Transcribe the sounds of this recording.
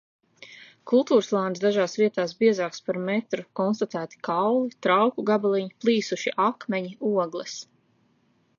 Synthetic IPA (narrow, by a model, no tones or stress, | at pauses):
kulˠt̪uːɾslˠaːnsd̪aʒaːsviɛt̪aːsbiɛzaːkspaɾmet̪ɾukɔnst̪at̪æːt̪i̥kawlˠit̪ɾawkuɡabalˠiɲiplˠiːsuʃiʔakmɛɲiuɔɡlˠɛs